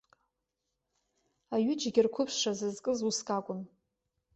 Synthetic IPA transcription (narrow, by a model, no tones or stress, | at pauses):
aɥɪd͡ʒɡʲɪrkʷʰʊpʰʂazɨzkʼɨzuskʼakʷʼʊn